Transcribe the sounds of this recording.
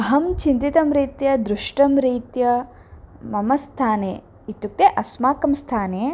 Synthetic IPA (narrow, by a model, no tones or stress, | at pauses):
ɐɦɐmt͡ʃint̪it̪ɐmɾiːt̪jɐd̪ɾuʂʈɐmɾiːt̪jɐ | mɐmɐst̪ʰaːnḛː | it̪juk̚t̪eʔɐsmaːkɐmst̪ʰaːneː